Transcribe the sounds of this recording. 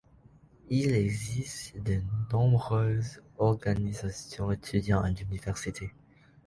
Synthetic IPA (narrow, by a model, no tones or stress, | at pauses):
ilɛɡzist̪d̪ənɔ̃bʁøzɔʁɡanizasjɔ̃et̪ʰyd̪jɑ̃a̰nynivɛʁsit̪ʰe